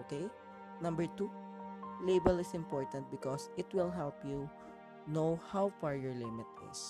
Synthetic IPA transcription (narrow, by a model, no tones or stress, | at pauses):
okej | nɐ̃mbɛɹt̪u | lejbɛlɪsɪ̃mpɔɹt̪ɐ̃nt̪̚bɪkɔsɪt̪wɪlɦɛlpju | nowhawfaɹjɔɹlɪmɪt̪ɪ̰s